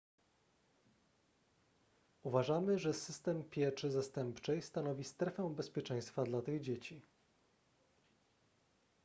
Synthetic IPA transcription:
uvaʐamɘʐɛsɘst̪ɛmpʲjɛt͡ʂɘzast̪ɛmpt͡ʂɛjst̪anɔvʲist̪ɾɛfɛw̃bɛspʲjɛt͡ʂɛ̃j̃st̪fad̪lat̪ɘɣd͡ʑet͡ɕi

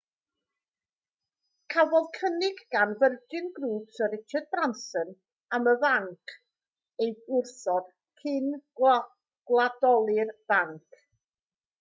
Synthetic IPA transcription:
kʰavɔðkʰənɪɡɡanvərdɨnɡruːb̥sɔɾɪt͡ʃʰɛd̚bransən | aməvaŋkʰ | ejʊrθɔd̥ | kʰɪn | ɡ̥lˠadɔlˠɨrv̥aŋkʰ

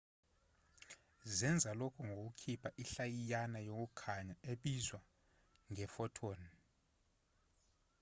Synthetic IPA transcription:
zɛnd͡zʱalokʰɔŋʱok̬ukʰipʰaʔiɬajijanajok̬ʼukʰaɲaeɓizwa | ŋɛfɔtʰoːni

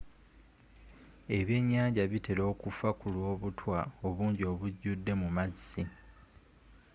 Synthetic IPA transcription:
e̞βje̞ːɲːaːɲɟaβite̞lo̞ːkufakulwo̞ːβutʰwao̞βuːɲɟio̞βuɟːudːe̞mumazi

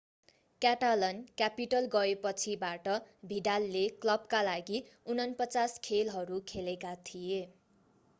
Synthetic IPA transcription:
kaʈalʌnkjapiʈʌlɡʌepʌt͡sʰibaʈʌbʱiɖalːeklʌb̚kalaɡiunʌnpʌt͡saskʰelɦʌɾukʰelekat̪ʰije

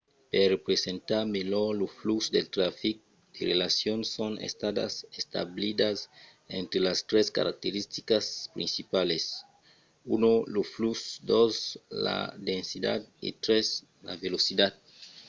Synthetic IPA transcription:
perepɾesẽnt̪aɾmeloloflusd̪elt̪ɾafik̚ | d̪̥erelasjonsonḛst̪ad̪a̰sest̪a̰βlid̪as | ḛ̃nt̪ɾelast̪ɾeska̰ɾa̰k̚t̪eɾist̪ikaspɾḭ̃nsipales | unoloflusd̪osla̰d̪ẽnsid̪a̰d̪ḭt̪ɾes | la̰velosid̪ad̪̚

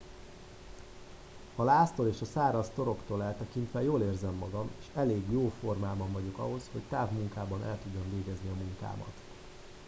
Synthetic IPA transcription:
hɒlaːst̪oleːʃɒsaːɾɒst̪o̞ɾo̞kt̪oːlɛlt̪ɛkint̪ʋɛjoːleːrzɛmːɒɡɒmeːʃɛleːɡjoːfo̞rmaːbɒɱvɒɟo̞kɒ̰ɦo̞sho̞ct̪aːvmuŋkaːbɒnɛ̰lt̪uɟːo̞ɱveːɡɛzniɒmuŋka̰ːmɒ̰t̪

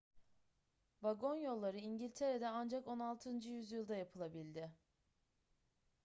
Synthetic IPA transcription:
vaɡo̞njo̞lˠːaɾɯiɲɟilʲt̪ʰeɾed̪ɛand͡ʒako̞nalˠt̪ʰɯnd͡ʒɯjyzjɯlˠd̪ajapʰɯlˠabilʲd̪ɪ

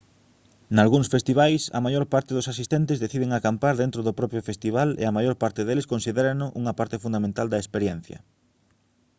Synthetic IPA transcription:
nalɣuŋsfest̪iβ̞ajsɐ̰majoɾpaɾt̪ɪðʊsasist̪ent̪ɪzðeθiðeŋakampaɾðent̪ɾʊðʊpɾɔpɾjʊfest̪iβ̞alḛɐmajoɾpaɾt̪ɪðeleskonsiðeɾɐnʊʔuŋɐpaɾt̪ɪfund̪amẽnt̪ald̪ɐespeɾjɛn̟θjɐ̰

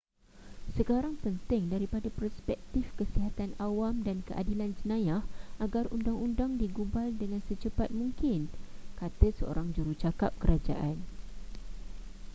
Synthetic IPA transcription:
səkaɾaŋpənt̪ɪŋdaɾipadapərspɛk̚t̪ifkəsiɦat̪anawamdankəʔa̰diland͡ʒənãjahaɡarundaŋundaŋdiɡubaldəŋãnsət͡ʃəpat̪̚mũŋkɪnkat̪əsəo̰ɾaŋd͡ʒuɾut͡ʃakap̚kəɾad͡ʒa̰ʔan

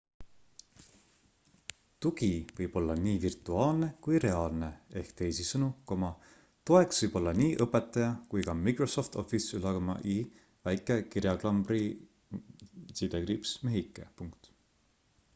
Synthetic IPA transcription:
t̪uɡivɤjb̥o̞lːɑniːvirt̪ːˑuɑːlne̞kujɾe̞ɑːlne̞e̞hkt̪e̞jsisɤnuko̞mɑ | t̪o̞e̞ksvɤjb̥o̞lːɑniːʔɤpːˑe̞t̪ːˑɑjɑkujkɑmikɾoso̞ft̪o̞̰fisylɑɡɑmɑ̰ʔi | væjkːˑekirjɑklɑmbri | sid̪eɡɾipsme̞ɦikːˑḛpuŋkt̪

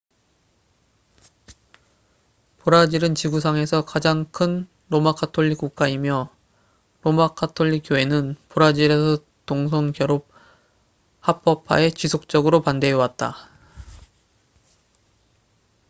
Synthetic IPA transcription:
poɾad͡ʑiɾɯnt͡ɕiɡus̬ʰaŋe̞sʰʌkad͡ʑaŋkʰɯn | ɾomakʰatʰoʎːik͈uk̚k͈aimjʌ | ɾomakʰatʰoʎːik͈̚joe̞nɯnpoɾad͡ʑiɾesʰʌ | toŋs̬ʰoŋkjʌɾop̚ | hap͈ʰʌpʰa̰e̞t͡ɕisʰok̚t͡ɕ͈ʌɡɯɾopande̞wat̚t͈a̰

